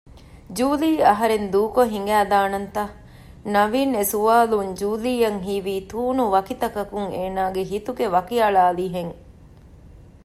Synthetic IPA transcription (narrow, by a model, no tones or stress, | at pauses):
d͡ʒuːliːɐɦɐɾend̪uːkoɦiŋɡæːd̪aːnɐnt̪ɐ | nɐʋiːnesuʋaːluɲd͡ʒuːliːjɐŋɦiːʋiːt̪uːnuʋɐkit̪ɐkɐkuŋeːnaːɡeɦit̪uɡeʋɐkiɐɭaːliɦeŋ